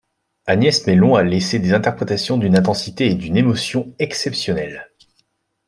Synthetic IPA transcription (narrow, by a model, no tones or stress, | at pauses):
anjɛsmelɔ̃alesed̪ezɛ̃t̪ɛʁpχet̪asjɔ̃d̪ynɛ̃t̪̬ɑ̃sit̪eːd̪ynemɔsjɔ̃ɛksɛpsjɔnɛl